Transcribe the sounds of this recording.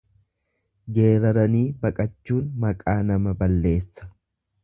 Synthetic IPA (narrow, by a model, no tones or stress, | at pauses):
ɡe̞ːɾɐɾɐniːbɐkʼɐt͡ʃːuːnmɐkʼaːnɐmɐbɐlːe̞ːsːɐ̥